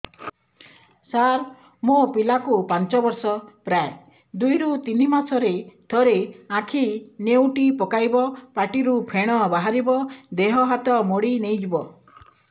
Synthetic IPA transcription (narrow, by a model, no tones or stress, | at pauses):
saɾ | mopilakupant͡ʃɔbɔɾsɔpɾae | d̪ujɾut̪inimasʰɔɾet̪ʰɔɾeãkʰinewʈipɔkajbɔpaʈiɾupʰeɽ̃ɔbaɦaɾibɔd̪eɦɔɦat̪ɔmoɽinejd͡ʒibɔ